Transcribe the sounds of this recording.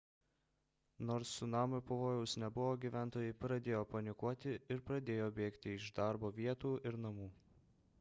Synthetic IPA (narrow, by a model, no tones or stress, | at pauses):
noːɾsːʊnɑːmʊpɐʋoːjɛʊsnʲɛbʊʋoːɡʲiʋʲæˑnt̪oːjɛɪpɾɐd̪ʲeːjoːpɐnʲɪkuɔt̪ʲɪɪɾpɾɐd̪ʲeːjoːbʲeːkt̪ʲɪɪʒd̪ɑˑɾboːʋʲiɛt̪uːɪɾnɐmuː